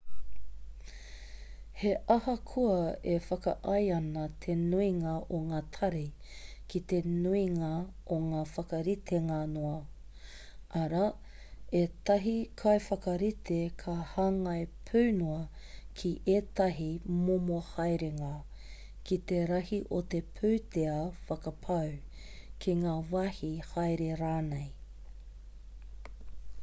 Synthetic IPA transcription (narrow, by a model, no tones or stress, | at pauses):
heʔɐhɐkʰuɐefɐkɐ̰ʔɐjɐnɐt̪ʰenuiŋɐʔoŋaːt̪ʰɐɾi | kit̪enuiŋɐoŋaːfɐkɐɾit̪ʰeŋanoɐ | ʔɐɾa | et̪ɐɦikʰɐjfɐkɐɾit̪ʰekʰahaːŋɐjpʰʉwnuɐkʰiʔet̪ɐɦimomoɐhɐjɾeŋa | kit̪eɾɐhiʔot̪epʰʉwt̪eɐfɐkɐpʰɐw | kʰiŋaːvɐhihɐjɾeɾaːnej